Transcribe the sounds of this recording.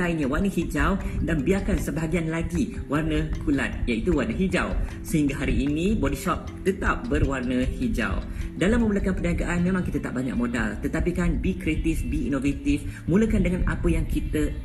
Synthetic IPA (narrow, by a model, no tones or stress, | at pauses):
ajɲãwarnəhid͡ʒawdanbiarkansəbaɦaɡianlaɡiwarnə̃kula̰t̪̚jait̪uwarnəɦid͡ʒaw | səhiŋɡaɦaɾiːnĩbɔdisɔp̚t̪ət̪ap̚bərwarnəhid͡ʒa̰wdalamːə̃mulakanpənaɡaʔanmẽmãŋkit̪ət̪a̰ʔ̚baɲa̰k̚mõda̰lt̪ət̪apikanbikɾet̪isbiinovet̪ifmũləkandəŋana̰pəjaŋkit̪ə